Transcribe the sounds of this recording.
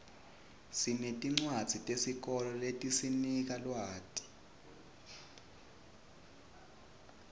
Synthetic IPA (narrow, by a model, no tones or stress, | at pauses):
sinetʼiŋ͡ǀwad̥z̥ʱitʼesik̬ɔlɔletʼisinik̬ʼalwaːtʼi̥